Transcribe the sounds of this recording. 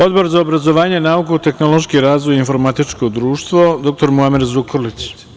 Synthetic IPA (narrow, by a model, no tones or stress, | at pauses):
o̞d̪bo̞ɾzaobɾazo̞ʋaːɲenaukut̪e̞xno̞lo̞ʃkiɾaːzʋojinfo̞ɾmat̪it͡ʃko̞d̪ɾuːʃt̪ʋod̪o̞k̚t̪o̞ɾmuamiɾzukʰolit͡ɕ